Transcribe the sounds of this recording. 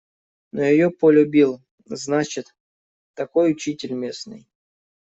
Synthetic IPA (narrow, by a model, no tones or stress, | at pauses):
nojɪjopəlʲʊbʲilˠ | znat͡ɕɪt̪ː | ɐko̞jʊt͡ɕitʲɪlʲmʲe̞snɨ̰j